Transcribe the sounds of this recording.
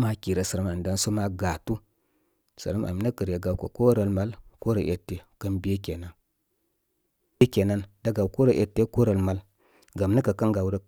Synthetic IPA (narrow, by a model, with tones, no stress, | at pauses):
ma˦ki˨ɾa˨sa˨ɾa˦ma˨m˨da˦nso˦ma˦ɡa˨tu˦ | sə̰˨ɾa˦mʔa̰˨m˨na˦kə˨ɾe˨ɡa˨˦ko˨ko˦ɾa˨lma˦lko˦ɾa˨ʔḛ˨tːe˨kə˦nbe˦ke˨na˦n | e˦kʲe˨na˦nda˦ɡa˨wko˦ɾa˨ʔe˨tːe˦ko˦ɾa˨lma˨˦l | ɡa˨m˦na˦ka˨ka˦nɡa˨wɾa˦